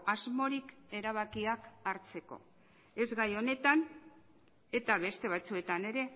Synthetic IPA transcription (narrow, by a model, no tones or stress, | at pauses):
azmo̞ɾike̞ɾaβ̞akiakaɾt͡se̞ko̞̰ | e̞zɣajo̞ne̞t̪an | e̞t̪aβe̞st̪e̞β̞at͡sue̞t̪ane̞ɾe̞